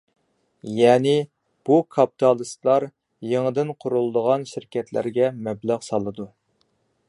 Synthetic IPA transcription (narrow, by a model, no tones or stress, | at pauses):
jɛːnɪ | b̥ukʰɑpi̥t̪ʰɑlˠɨst̪lˠɑɾ | jeŋəd̪ɨnqʰʊɾulˠd̪əʁɑnʃiɾkʲɛt̪ʰlæ̰ɾɡʲɛmɛblæʁsɑlˠɨd̪u